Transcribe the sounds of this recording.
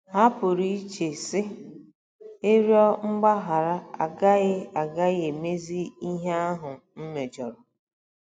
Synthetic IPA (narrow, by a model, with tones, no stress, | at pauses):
ɦa˦pʊ˨ɾi˦i˦t͡ʃe˨sɪ˦ | e˦ɾjɔ˦ŋ͡m̩˦ɡ͡ba˦ɦa˨ɾa˦a̰˨ɡa˦ɣɪ˦a˨ɡa˦ɣe˨me˦zi˦i˦ɦe˦a˦ɦʊ˨m̩˦me˨d͡ʒɔ˨ɾɔ˨